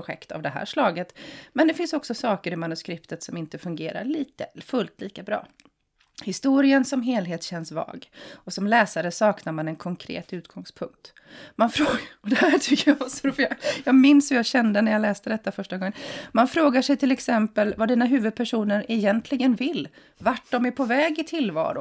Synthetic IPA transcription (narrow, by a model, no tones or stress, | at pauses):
ʊɧɛ̰kt̪a̰vd̪ɛɦæ̰ːʂlɑːɡət̪mɛnd̪ɛfɪnsɔksɔsɑːkəɾɪmanɵskɾɪpt̪ʰət̪sɔmɪnt̪əfɵŋɡeːɾa̰ɭiːt̪əfɵlt̪ʰliːkabɾɑ̰ː | hɪst̪uːɾɪənsɔmɦeːlɦeːt̪ɕɛnːsvɑ̰ːɡɔsɔmlɛːsaɾəsɑːknaɾmanɛnkʰɔŋkʰɾḛːt̪ʉ̟ːt̪ɡ̥ɔŋspʰɵŋk̚t̪ | manfɾɔd̪ɛhæʈ̪ʰʏkːəɾjavasɔɾuːfjjɑːɡmɪnshɵjaɕɛnd̪ənæɾjalɛːst̪əd̪ɛt̪ːafœʂʈaɡɔŋːənmanfɾoːɡaʂɛjt̪ʰɪlɛksɛmpəlvad̪iːnaɦʉ̟ːvɵd̪̚pʰæʂuːnəɾɛjɛnt̪ʰlɪɡənvɪlː | vaʈ̚dɔmæɾpʰɔvɛːɡɪt̪ʰɪlvɑ̰ːɾʊ